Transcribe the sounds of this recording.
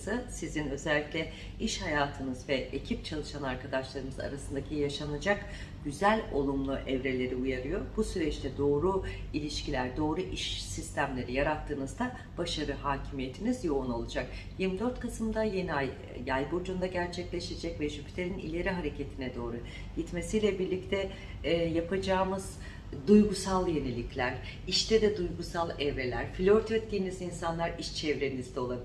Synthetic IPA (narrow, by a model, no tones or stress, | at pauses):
sɯsizinø̞zɛlʲːiclʲɛ | iʃhajaːt̪ʰɯnɯzvɛʔecʰip̚t͡ʃʰalˠɯʃanaɾkʰad̪aʃlˠaɾɯmɯza̰ɾasɯnd̪acʰijaʃanad͡ʒak | ɟ̥yzælʲo̞̰lˠumlˠuʔɛvɾe̞lʲe̞ɾiujaɾɯjo̞ɾbusyɾɛt͡ʃt̪ʰɛd̪o̞ːɾu | ilʲiʃcʰilʲæɾd̪o̞ːɾuʔiʃsist̪ʰæmlʲe̞ɾijaɾat̪ʰːɯːnɯzd̪a | b̥aʃaɾɯhaːcʰimije̞t̪ʰinizjo̞uno̞lˠud͡ʒak | jiɾmid̪øɾt̪kʰasɯmd̪ajeniaj | jajbod͡ʒund̪aɟæɾt͡ʃʰɛclʲe̞ʃed͡ʒɛcvɛʒypʰt̪ʰeɾinḭlʲe̞ɾiɦaɾe̞cʰe̞t̪ʰinɛd̪o̞ːɾu | ɟit̪me̞sijlʲɛbiɾlʲict̪ʰɛ | japʰad͡ʒaːmɯz̥ | d̪ujɡusalˠje̞ne̞lʲiclʲæɾ̥ | iʃt̪ʰɛd̪ɛd̪ujɡusalˠɛvɾe̞lʲæɾflʲøɾt̪ʰyt̪̚ɟe̞nizinsanlˠaɾiʃt͡ʃʰɛvɾe̞nizd̪ɛo̞lˠabi